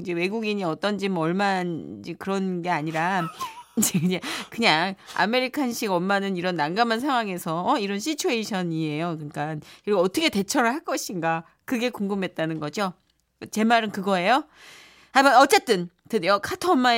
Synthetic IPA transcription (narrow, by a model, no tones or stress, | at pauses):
id͡ʑe̞we̞ɡuɡiɲiʌt͈ʌnd͡ʑimʌɭmanid͡ʑekɯɾʌnɡe̞aɲiɾaid͡ʑeid͡ʑe̞kɯɲaŋa̰me̞ɾikʰanɕʰiɡʌmːanɯniɾʌnːaŋɡamans̬ʰaŋɦwaŋe̞sʰʌʌiɾʌnɕʰit͡ɕʰoeiɕʰʌnie̞jokɯnk͈ankiɡoʌtʰʌkʰete̞t͡ɕʰʌɾɯɭhaɭk͈ʌɕʰinɡa | kɯɡe̞koŋɡɯmɦe̞t̚t͈anɯnɡʌd͡ʑo | t͡ɕe̞maɾɯnkɯɡʌe̞jo | habʌnʌt͡ɕ͈e̞t͈ɯn | tɯdjokʰatʰʌːmːa